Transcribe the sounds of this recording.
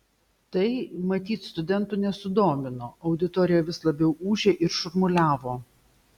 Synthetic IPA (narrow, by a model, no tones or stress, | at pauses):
t̪ɐɪmɐt̪ʲiːt̪st̪ʊd̪ʲɛnt̪ʊnʲɛsʊd̪oːmʲɪnoːɐʊd̪ʲɪt̪oːɾʲɪjɛʋʲɪslˠɐbʲɛʊʔuːʒʲeːʔɪɾʃʊɾmʊlʲæːʋoː